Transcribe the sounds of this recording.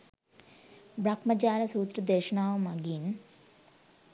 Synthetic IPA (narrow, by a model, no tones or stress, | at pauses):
bɾɐkmɐd͡ʒaːlɐsuːt̪ɾɐd̪eɾʂɐnaːʋɐmɐɡiːn